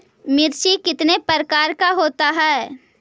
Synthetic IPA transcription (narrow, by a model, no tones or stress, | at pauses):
mɪɾʃikɪt̪nepəɾkaːɾkaɦoːt̪aɦɛː